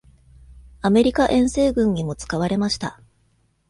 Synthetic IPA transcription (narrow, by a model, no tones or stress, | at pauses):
ame̞ɾʲikaʔẽ̞ɰ̃se̞ːɡɯ̟̃ɲ̟imo̞t͡sɨ̥kaβ̞aɾe̞maɕi̥t̪a